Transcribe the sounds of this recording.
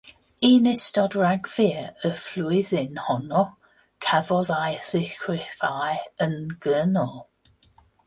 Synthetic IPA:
iːnɪstɔdɹaɡviəəfluɪðɪnhɔnɔ | kʰɛvɔðajθɪxɹɪθajənɡ̥ənɔlˠ

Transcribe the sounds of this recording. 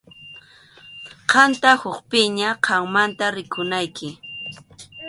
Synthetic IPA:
qɑnt̪ahʊχpɪɲaqʰɑŋmant̪aɾɪkʊnajkɪ

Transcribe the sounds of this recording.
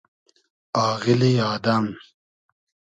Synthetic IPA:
aːɣilijɑːd̪ɐm

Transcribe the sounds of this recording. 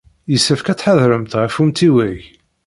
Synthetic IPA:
jəsːəfkæt͡sːħaðɾəmt̪ʁəfumt̪iwæʝ

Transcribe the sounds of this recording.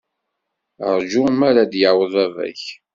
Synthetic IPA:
əɾˤd͡ʒumæɾad̪jəwəðˤævæ̰ç

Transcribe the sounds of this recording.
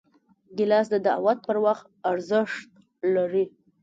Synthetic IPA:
ɡɪlɑsd̪əd̪awat̪̚pəɾwaχt̪̚aɾzəʂt̪̚ | laɾi

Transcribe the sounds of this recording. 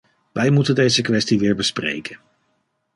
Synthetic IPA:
ʋʔɛjmutəndejzəkʋɛstiʋɪːɹbəsprḛjkʰən

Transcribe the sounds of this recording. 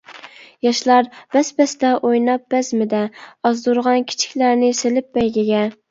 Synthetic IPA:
jɑʃlˠɑɾb̥æspæst̪ɛʔojnɑp̚bæzmɪd̪ɛɑzd̪ʊɾʁɑnkʲʰi̥t͡ʃʰɪ̥kʲlæɾnɪselɪp̚bɛjɡʲɪɡʲɛ

